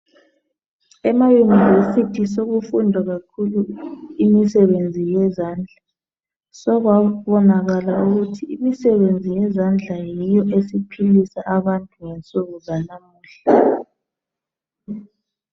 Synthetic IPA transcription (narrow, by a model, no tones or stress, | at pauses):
ɛmajunivesitʰis̬oɣufundʱaɣakʰuluimisɛβend͡zʱijɛzand͡ɮʱa | sɔɣwaβɔnaɣalauɣutʰiimisɛβend͡zʱijɛzand͡ɮʱajijɔʔesipʰilisaʔaβantʼuŋent͡sʼuɣuzanamuːɬa